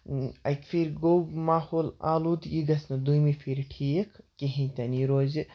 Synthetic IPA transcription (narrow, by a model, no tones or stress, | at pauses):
ɐjkfiɾɡoɡmaːhoːla̰ːluːd̪iɡɐsnɨd̪ujmifʰiɾʈʰiːkʰkeɦĩnʲt̪ʲɐniɾoːz